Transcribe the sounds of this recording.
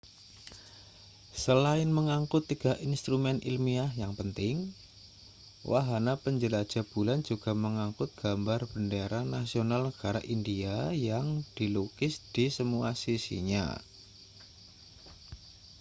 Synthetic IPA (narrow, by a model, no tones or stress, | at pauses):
səlaɪnməŋaŋkʊt̪ːiɡ̥aʔinst̪ɾumɛnʔḭlmiahjaŋpənt̪ɪŋ | wa̰ɦanapəɲd͡ʒəlḁd͡ʒ̥a̤b̥uland͡ʒuɡ̥a̤məŋaŋkʊt̪̚ɡ̥ambarb̥əndeɾanasionalnəɡ̥aɾa̰ʔindiajaŋd̥ilukɪsd̥isəmuasisḭɲa̰